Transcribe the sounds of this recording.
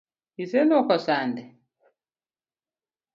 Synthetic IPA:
isɛnɔkɔsandɛ

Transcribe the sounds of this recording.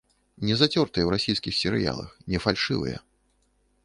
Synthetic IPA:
nʲɛzat͡sʲɔrt̪ɨjɛwɾasʲijskʲixsʲɛɾɨ̰ja̰lˠɐ̰xnʲɛfalʲʂɨvɨ̰jɐ̰

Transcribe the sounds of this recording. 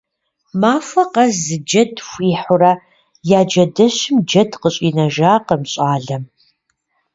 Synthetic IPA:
maːfʷɐqɐzɨd͡ʒɐdxʷiːħʊɾɐ | jaːd͡ʒɐdɐɕɪmd͡ʒɐdqəɕʼinɐʒaːqəmɕʼaːɮɐm

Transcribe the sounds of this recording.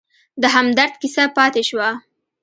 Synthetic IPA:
d̪əɦamd̪aɾd̪kisapɑt̪eʃwa

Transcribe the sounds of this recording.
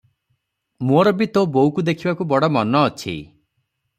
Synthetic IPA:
moɾɔbit̪obowkud̪ekʰibakubɔɽɔmɔnɔːt͡ʃʰḭ

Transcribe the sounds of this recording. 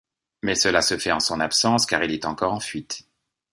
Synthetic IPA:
mɛsəlasəfɛɑ̃sɔ̃napsɑ̃skaʁilɛt̪ɑ̃kɔʁɑ̃fɥit̪

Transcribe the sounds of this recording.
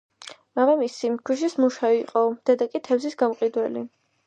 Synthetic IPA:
mamamisikʰwiʃ̬ismuʃaiqʼɔd̪̥ɛd̪akʼit̪ʰɛvzisɡamqʼid̪wɛlḭ

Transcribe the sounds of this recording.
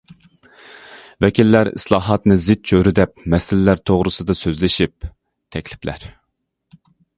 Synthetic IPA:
vɛkʲʰilːæɾḭslˠɑːɦɑt̪nɨzɪt̪̚t͡ʃʰøɾyd̪ɛp̚mɛsɪlɪlæɾt̪ʰoʁɾɨsɨd̪ɑsøzlɪʃip̚ | t̪ʰɛkʲlɪplæ̰ɾ

